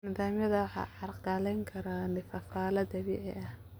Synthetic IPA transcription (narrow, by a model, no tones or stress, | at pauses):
nɪðaːmjɐðɐwɑħɑ̰ːʕɑrqɡalɛjŋkʰɐɾaːnɪfɐfaːlɐd̪ɐβiʕɛ̰ʔɐh